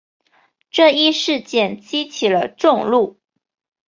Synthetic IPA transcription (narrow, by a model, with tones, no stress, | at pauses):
ʈ͡ʂɤ˥˩i˥˧ʂɻ̩˥˧t͡ɕjɛ˥˩nt͡ɕi˥t͡ɕʰi˨˩lə˦ʈ͡ʂʊ˥˧ŋlu˥˩